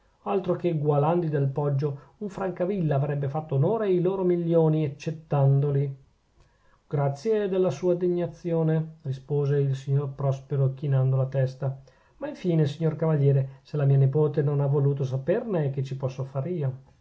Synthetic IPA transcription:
alt̪ɾokeɡwaland̪id̪elpɔd͡ʒːouɱfɾaŋkavilːaːvɾɛbːefat̪ːoːnoːɾeiloːɾomilːjoːniat͡ʃːet̪ːand̪oli | ɡ̥ɾat̪sːjed̪elːasuːad̪eɲːat̪sːjoːnerispoːzeilsiɲːorpɾɔspeɾok̟inand̪olat̪ɛst̪a | maiɱfiːnesiɲːorkavaʎjɛːɾeselamiːanepoːt̪enonavoluːt̪os̬apernek̟et͡ʃːipɔsːofaːɾiːo

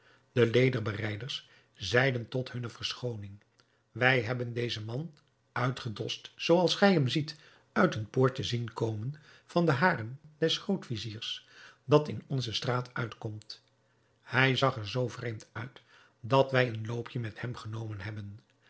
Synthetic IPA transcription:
d̥əlejdəɹbərɛjdəɹs | zɛjdəntɔtɦɵnəvəɹsχownɪŋ | ʋɛjɦɛbəndejzəmɑn | œɥtχədɔstsowɑlˠsχɛjɦɛmzit | œɥtənpʊːɹtəzinkowmən | v̥ɑndəɦaːrənd̥ɛsχowtfiziːɹsd̥ɑtɪnɔnzəstraːtœɥtkɔmt | hɛjzɑχəɹzowvrejmtœɥt | dɑtʋɛjənlowpʰjəmɛthɛmχənowmənɦɛbən

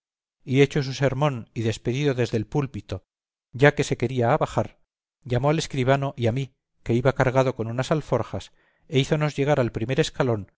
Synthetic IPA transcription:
ie̞t͡ʃo̞s̬use̞ɾmõ̞niðe̞spe̞ðiðo̞ðe̞zðe̞lpulpit̪o̞ | ɟ͡ʝake̞seke̞ɾiaːβaxaɾ | ʎamo̞ale̞skɾiβ̞ano̞ʔiami | ke̞iβakaɾɣaðo̞ko̞nunasalfo̞ɾxas | eiθo̞no̞zʝe̞ɣ̞aɾalpɾime̞ɾe̞skalo̞n

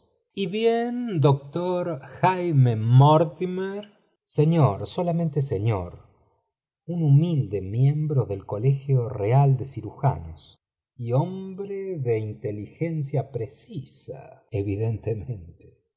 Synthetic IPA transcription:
iβjend̪ok̚t̪oɾxajmemoɾt̪imeɾ | seɲoɾso̞lamẽnt̪eseɲoɾ | unumild̪emje̞mbɾoðe̞lko̞lexjoreald̪esiɾuxa̰nos | iombɾeðeint̪elixens̬japɾesisa̰eβiðent̪emẽnt̪e̥

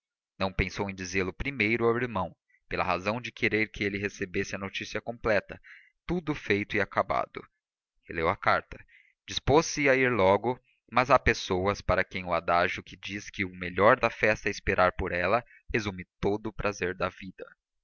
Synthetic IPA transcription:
nɐ̃w̃pẽsowẽj̃d͡ʒizelʊpɾimejɾʊawiɾmɐ̃w̃ | pelɐ̰hazɐ̃w̃d͡ʒɪkʰeɾeɾkɪelɪɦesebesɪɐnot͡ʃisiɐkõplɛt̪ɐ | t̪ud̪ʊfejt̪ʊɪakaba̰d̪ʊ̰ | helewɐkaɾt̪ɐ | d͡ʒisposɪaiɾlɔɡʊ | mɐzapesowɐspaɾɐkẽj̃ʊad̪aʒʊkɪd͡ʒiskɪʊmeʎɔɾd̪ɐfɛst̪ɐɛɪspeɾʔaɾpoɾɛlɐ | hezũmɪt̪od̪ʊːpɾʔazeɾd̪ɐvid̪ɐ

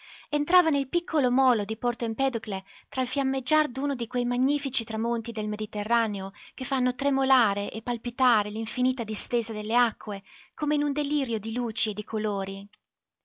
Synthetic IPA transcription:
ent̪ɾaːvanelpikʰːolomɔːlod̪ipɔrt̪oimpɛd̪oklet̪ɾalfjamːed͡ʒːard̪uːnod̪ikwejmaɲːiːfit͡ʃit̪ɾamont̪id̪elmed̪it̪erːaːneokefːanːot̪ɾemolaːɾeʔepːalpit̪aːɾeliɱfiniːt̪ad̪ist̪eːzad̪elːeakːwekoːmeinund̪eliːɾjod̪iluːt͡ʃied̪ːikʰoloːɾi

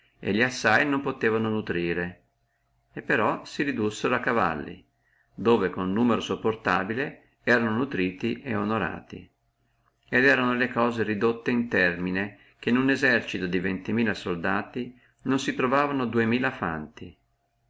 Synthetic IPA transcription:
ḛʎiasːajnompot̪eːvanonut̪ɾiːɾe | epːeɾɔsiɾid̪usːeɾoakːava̰lːḭ | d̪oːvekonnuːmeɾosopːort̪aːbile | ɛːɾanonut̪ɾiːt̪iʔeonoɾa̰ːt̪ḭ | ed̪ɛːɾanolekɔːzeɾid̪ot̪ːeint̪ɛrmine | k̟enunezɛrt͡ʃit̪od̪ivent̪imiːlasold̪aːt̪i | nonsit̪ɾovaːvanod̪uemiːlafa̰nt̪i

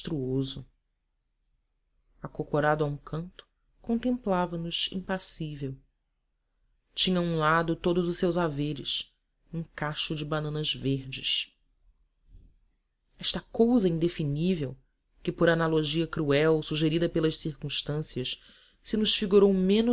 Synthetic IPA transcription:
t̪ɾuozʊ | akokoɾad̪ʊaũkʰɐ̃nt̪ʊ̥ | kõnt̪ẽmplavɐnʊzḭ̃pasivew | t͡ʃĩɲɐũlad̪ʊt̪od̪ʊzʊʃsewzaveɾɪ̰s | ũkaʃʊd͡ʒɪbanɐ̃nɐzveɾd͡ʒɪs | ɛʃt̪ɐkowzɐĩnd̪efinivew | kɪpoɾanaloʒiɐkɾuɛwsuʒeɾid̪ɐpelɐʃsiɾkũʃt̪ɐ̃siɐʃ | sɪnʊʃfiɡuɾowmẽn

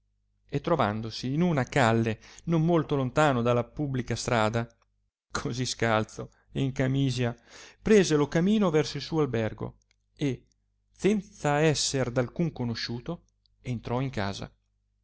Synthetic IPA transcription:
et̪ːɾova̰nd̪osiːnunakalːenommolt̪olont̪aːnod̪alːapubːlikast̪ɾaːd̪a | kʰoziskalt̪so | eiŋkamiːzjapɾeːzelokamiːnovɛrsoilsuːoalbɛrɡo̰ | e | sɛnt̪saɛsːerd̪alkuŋkonoʃuːt̪o | ent̪ɾɔiŋka̰ːza̰

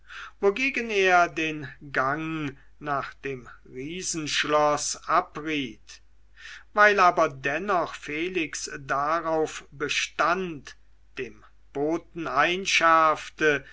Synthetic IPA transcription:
voɡeːɡəneːɐdeːnɡaŋ | naːχd̥eːm | ʁiːzn̩ʃlɔsʔapʁiːt | vaɪlaːbɐdɛnɔχfeːlɪksdaʁaʊfbəʃtant | d̥eːm | b̥oːtn̩aɪnʃaɐftə

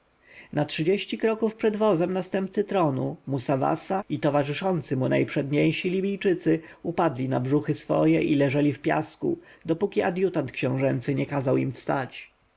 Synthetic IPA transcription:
natʂɘd͡ʑeɕt͡ɕikɾɔkufpʂɛd̪vɔzɛmnast̪ɛmpt̪sɘt̪ɾɔnumusava̰sait̪ɔvaʐɘʂɔnt̪sɘmunajpʂɛd̪ɲejɕilʲibʲijt͡ʂɘt̪sɘupad̪lʲina̰bʐuxɘsfɔ̰jɛʔilɛʐɛlʲifpʲja̰skṵd̪ɔpukʲiad̪jut̪ant̪̚kɕɛ̃w̃ʐɛnt̪sɘɲɛkazawimfst̪at͡ɕ

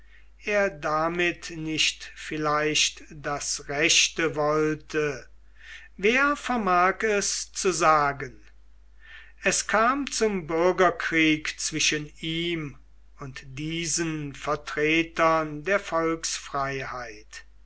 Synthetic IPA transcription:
ʔeːɐdamɪtnɪʃtfɪlaɪʃtd̥asʁɛʃtəvɔltʰə | veːɐfɛɐmaːkɛst͡suzaːɡən | ɛskʰaːmt͡sʊmbʏɐɡɐkʁ̥iːkt͡sv̥ɪʃəniːm | ʊntdiːzənfɛɐtʁ̥eːtɐndeːɐfɔlksfʁ̥aɪhaɪt

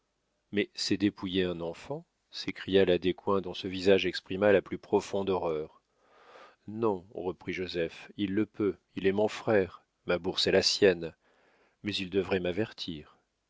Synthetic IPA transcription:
mɛsɛd̪epujeɛ̃nɑ̃fɑ̃ | sekχijalad̪ekwɛ̃d̪ɔ̃səvizaʒɛkspχimalaplypχɔfɔ̃d̪ɔʁœːʁ | nɔ̃ʁəpχiʒozɛfilːəpø | ilɛmɔ̃fχɛʁ | mabuʁsɛlasjɛn | mɛzild̪əvʁɛmavɛʁt̪ʰiːʁ

